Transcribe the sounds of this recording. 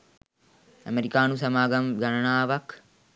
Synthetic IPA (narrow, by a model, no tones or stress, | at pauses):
ɐmeɾikaːnusɐmaːɡɐmɡɐnɐnaːʋɐk